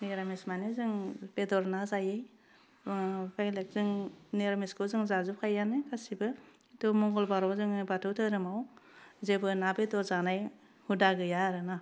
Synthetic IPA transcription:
neɾamesmanezɯŋbedɔɾnazajɯj | bajlek̚zɯŋneɾamiskɯzɯŋzazup̚kʰajanɯkʰasibɯ | tɯmɔŋɡɔlbaɾɔzɯŋbatʰɯwtʰɯɾɯmawzebɯnabedɔzanaj | hudaɡɯjaɾɯna

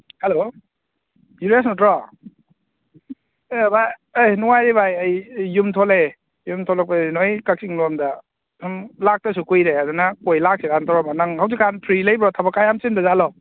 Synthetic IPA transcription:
helo | juɾes̬nɔtɾɔ | ebaajnuwajɾibajajːumtʰole | jumtʰɔlɔk̚panojkak̚siŋlɔmda | sumlak̚tɐs̬ukujɾeadɯnakojlak̚sikʰantʰɔɾɔmanaŋhawzikʰanpʰɾilajbɾɔtʰabakajamsindazalɔ

